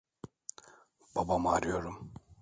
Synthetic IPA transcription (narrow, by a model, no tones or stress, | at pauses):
b̥abamaɾijoɾum